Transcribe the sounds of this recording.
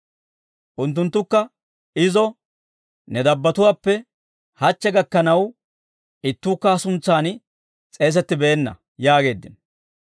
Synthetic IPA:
ʔʊnt̪̬ːʊnt̪ːʊkːɐ | ɪzɔ | nɛd̪ɐbːɐt̪ʊwaːpːɛ | hɐt͡ʃːɛɡɐkːɐnɐw | ɪt̪ːuːkːɐɐsʊnt͡sːaːn | t͡sʼe̞ːs̬ɛt̪ːɪbɛɛnːɐ̰ | jaːɡe̞ːd̪ːɪn

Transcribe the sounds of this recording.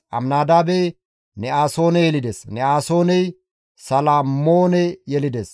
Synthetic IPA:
ʔɐ̰mnaːd̪aːbɛ | nɛaːso̞ːnɛjɛlɪd̪esnɛaːso̞ːnɛj | sɐlaːmoːnɛjɛlɪd̪es

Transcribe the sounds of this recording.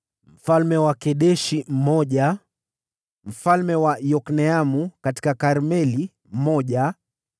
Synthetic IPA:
m̩falmɛwakɛɗɛʃim̩mɔʄa | m̩falmɛwaijɔknɛamukati̥kakaɾmɛli | m̩mɔʄa

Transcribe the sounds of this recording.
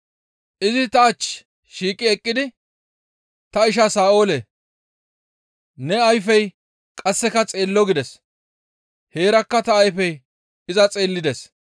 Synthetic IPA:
ʔɪzɪt̪ɐːt͡ʃː | ʃiːkʼːɪɛkʼːɪd̪ɪ | t̪ɐɪʃ̬ɐsaːo̞ːlɛ | nɛɐjfɛj | kʼɐsːɛkɐt͡sʼe̞ːlːɔɡɪd̪ɛs | he̞ːɾɐkːɐt̪ɐːjfɛj | ɪzɐt͡sʼe̞ːlːɪd̪ɛs

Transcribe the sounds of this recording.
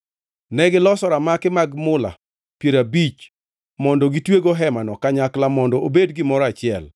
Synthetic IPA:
nɛɡɪlɔsɔɾamakɪmaɡmʊla̰ | pjeɾabit͡ʃ | mɔndɔɡitweɡoɦɛmanɔkaɲaklamɔndɔobedɡɪmɔɾɔat͡ʃɪɛl

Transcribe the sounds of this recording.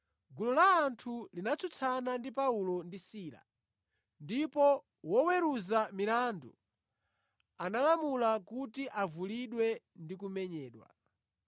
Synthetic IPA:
ɡulɔlaːntʰulinat͡sʰut͡sʰanandipaulɔndisiːla̰ | ndipɔ | wɔwɛɾuzamilaːndṵ | analamulakutiʔavuliɗwɛ | ndik̬umɛɲɛːɗwa̰

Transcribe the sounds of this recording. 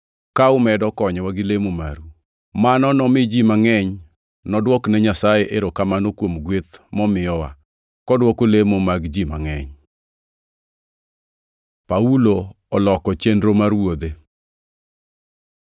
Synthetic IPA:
kaʊmɛdɔkɔɲwaɡɪlemoma̰ɾu | manɔnɔmɪd͡ʒimaŋɛɲ | nɔdwɔknɛɲasajeʔeɾokamanokwomɡwet̪mɔmɪjɔwa̰ | kɔdwɔkolemomaɡd͡ʒima̰ŋɛɲ | paulo | ɔlɔkɔt͡ʃendɾomaɾwod̪e

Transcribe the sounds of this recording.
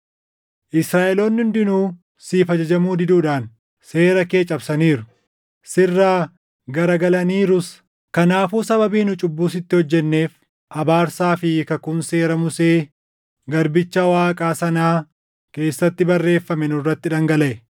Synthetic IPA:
ʔɪsɾaːʔɛlo̞ːnːʊnd̪ɪnuː | siːfɐd͡ʒɐd͡ʒɐmuːd̪ɪd̪uːᶑaːn | se̞ːɾɐke̞ːt͡ʃʼɐbsɐniːɾʊ | sɪrːaː | ɡɐɾɐɡɐlɐniːɾʊs | kɐnaːfuːsɐbɐbiːnʊt͡ʃʼʊbːuːs̬ɪt̪ːɪhɔd͡ʒːɛnːe̞ːf | ʔɐbaːɾsaːfɪkɐkʊnse̞ːɾɐmʊse̞ː | ɡɐɾbɪt͡ʃːɐwaːkʼaːsɐnaː | ke̞ːsːɐt̪ːɪbɐrːe̞ːfːɐmɛnʊrːɐt̪ːɪᶑɐŋɡɐlɐʔɛ

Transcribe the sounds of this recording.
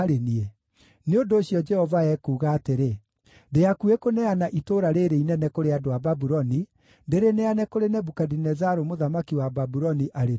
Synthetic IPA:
ɾenie | neondoːɕjɔd͡ʒɛhɔvaɛkuːɣaːteɾe | deakuekonɛanaʔitoɾaɾeɾeinɛnɛkoɾeadoababuɾɔni | ndeɾeneanɛkoɾenɛbukadinɛzaɾomoðamakiwababuɾɔniʔaɾe

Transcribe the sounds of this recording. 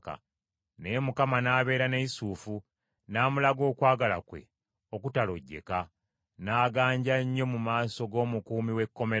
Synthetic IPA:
ka̰ | nejemukamanaːβe̞ːɾane̞isuːfu | naːmulaɡo̞ːkwaːɡala̰kwe̞̰ | okutalo̞̰ɟːe̞̰ka | naːɡaːɲɟaɲːo̞mumaːso̞ɡo̞ːmukuːmiwe̞kːo̞me

